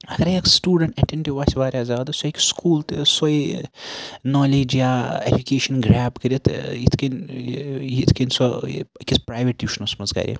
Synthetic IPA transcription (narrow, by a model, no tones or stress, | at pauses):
ɐɡɐɾeksʈuːɖɐɳʈɐʈeɳʈiʋaːsʲʋaːɾʲjaːzaːd̪ɨsoikskʰuːlt̪soi | nɔːleːd͡ʒjaed͡ʒukeːʃɐnɡɾaːbkɐɾʲiit̪it̪ʰken | it̪ʰkenso̰kispɾaːjʋeʈjuːʃnɐsmɐzɡa̰ːɾʲḭ